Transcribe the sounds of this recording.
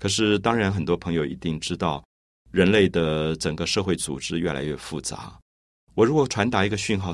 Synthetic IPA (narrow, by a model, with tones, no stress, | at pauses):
kʰɤ˨˩ʂɻ̩˥˩t̪ɑ˥ŋɻa˧˥nxə˨˩nt̪wɔ˥pʰɤ˧˥ŋjo˧˩ʊʔḭ˧˥t̪i˥˩ŋʈ͡ʂɻ̩˥t̪ɑ˥˩ʊ | ɻə˧˥nle˥˩ɪd̪ə˩ʈ͡ʂə˨˩ŋɡə˦ʂɤ˥˧xwe˥˩ɪt͡sṵ˨˩ʈ͡ʂɻ̩˥ɥɛ˥˩la̰˧˥ɪɥɛ˥˩fu˥˩t͡sa̰˧˥ | wɔ˨˩ɻu˧˥kwɔ˨˩ʈ͡ʂʰwa˧˥nt̪a˧˥i˧˥ɡə˧ɕy˥˧nxɑ˥˩ʊ